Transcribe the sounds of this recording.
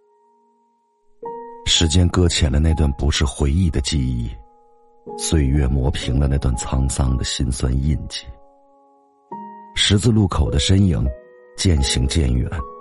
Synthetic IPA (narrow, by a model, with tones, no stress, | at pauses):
ʂɻ̩˧˥t͡ɕjɛ˥nkɤ˥t͡ɕʰjɛ˨˩nlə˦na˥˧ɪt̪wa˥˩npu˧˥ʂɻ̩˥˩xwe˧˥ɪi˥˩d̪ə˩t͡ɕi˥˧i˥˩ | swe˥˧ɪɥɛ˥˩mwɔ˧˥pʰi˧˥ŋlə˧na˥˧ɪt̪wa˥˩nt͡sʰɑ˥ŋsɑ˥ŋd̪ə˨ɕi˥nswa̰˥ni˥˧nt͡ɕi˥˩ | ʂɻ̩˧˥t͡sɹ̩˥˧lu˥˩kʰo˨˩ʊd̪ə˦ʂə˥njḭ˧˥˦ŋ | t͡ɕjɛ˥˩nɕi˧˥ŋt͡ɕjɛ˥˩nɥɛ̰˨˩˦n